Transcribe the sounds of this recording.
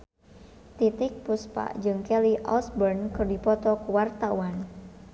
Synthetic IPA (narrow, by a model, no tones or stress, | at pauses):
t̪it̪ɪk̚puspa̰ʔd͡ʒɨŋkɛliʔɔ̰sbərnkɨrdipɔt̪ɔkəwart̪awan